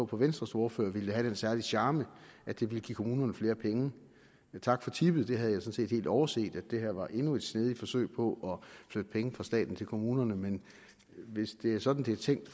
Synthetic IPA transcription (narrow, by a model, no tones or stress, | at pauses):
ɔpʰɒ̽ʋensd̥ʁɐsoːɐfø̰ɐʋild̥eɦæɾ̥ensæɐlid̥ɕɑ̈ːməʔæd̥e̝ʋiləɡ̥ḭːkʰo̝muːnɐnəfle̝ːɐpʰeŋə | t͡sʰɑ̈ɡ̥fɒ̽t͡sʰib̥ð̩ˠd̥e̝ɦæð̞̩ˠjɑ̈sɒ̽n̩se̝̰ːd̥he̝̰ːld̥ɒʊɐse̝̰ːd̥æd̥e̝hæɐ̰ʋɑ̈ʔe̝nue̝d̥sneð̞ˠi̥fɒ̽sø̰ɪpʰɒ̽ʔɒ̽flød̥əpʰeŋəfʁɑ̈sd̥ɛ̰ːd̥n̩t͡sʰe̝lkʰo̝muːnɐnəmen | ʋe̝sd̥e̝æɐsɒ̽d̥n̩d̥e̝æt͡sʰeŋ̰d̥